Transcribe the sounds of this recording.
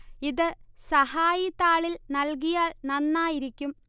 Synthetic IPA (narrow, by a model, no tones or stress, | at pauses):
iðɨsɐhaːjit̪ːaːɭilnɐlk̬ijaːɭnɐnːaːjiɾikʲːum